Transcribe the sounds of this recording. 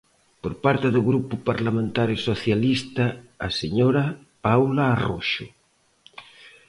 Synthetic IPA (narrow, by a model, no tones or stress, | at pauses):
poɾpaɾt̪eðoɣɾupʊpaɾlamẽnt̪aɾesoθjalist̪aːseɲoɾa | pawlaːroʃo